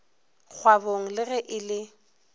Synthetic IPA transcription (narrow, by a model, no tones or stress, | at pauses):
k͡xʰwaboŋ̩lɪɣɛʔɪlɪ